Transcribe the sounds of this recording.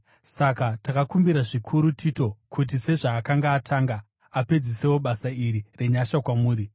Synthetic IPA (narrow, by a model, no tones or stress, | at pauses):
sakatakakumbiɾaʐikʰuɾutʰiːto̞kʰut̬ise̞ʐaːkaŋɡaːtʰaːŋɡa | ape̞d͡zise̞wo̞ɓasaiɾire̞ɲaʃakwamuːɾi